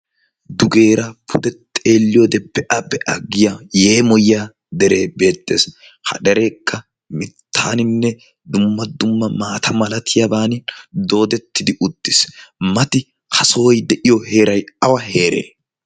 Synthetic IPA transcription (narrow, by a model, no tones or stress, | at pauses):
d̪ʊɡe̞ːɾɐpʰʊd̪ɛt̪ʼe̞ːlːɪjod̪ɛpːɛʔɐbɛʔɐɡːɪjaje̞ːmɔjaː | d̪ɛɾe̞ːbe̞ːt̪ːe̞ːs | hɐ̰d̪ɛɾeːkʰːɐ | mɪt̪ʰːaːnɪnːɛ | d̪ʊmːɐd̪ʊmːɐmaːt̪ʰɐmɐlɐt̪ʰɪjɐbaːnɪd̪o̞ːd̪ɛt̪ːɪd̪ɪʔʊt̪ːɪsmɐt̪ɪ | kʰɐsoːjd̪ɛʔɪjɔhe̞ːɾɐjɐwɐhe̞ːɾḛː